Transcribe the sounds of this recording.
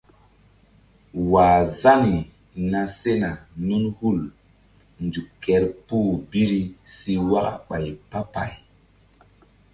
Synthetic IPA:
waː˨za˦ni˨ | na˧se˦na˨nu˦nhu˦˨l | nd͡ʒu˨kːe˨˦ɾpuː˦˨bi˦ɾi˦si˧wa˦ka̰˨ɓa˨jpa˦pa̰˨j

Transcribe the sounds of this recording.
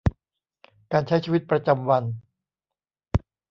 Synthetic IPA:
kaː˧nt͡ɕʰa˦˥jt͡ɕʰiː˧wi˦˥t̪̚pɾa˧t͡ɕa˧mwa˧n

